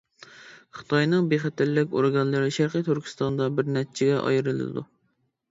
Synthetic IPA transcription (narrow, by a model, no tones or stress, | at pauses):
χɨ̥t̪ʰɑjnɨŋbeχɛt̪ʰælːɪkʲo̰ɾɡɑnlˠɨɾɪʃæɾqit̪ʰyɾkʲʰi̥st̪ɑnd̪ɑbɪɾnɛt͡ʃʰɪɡʲɛʔɑ̰jɨɾɨlˠɨ̰d̪ṵ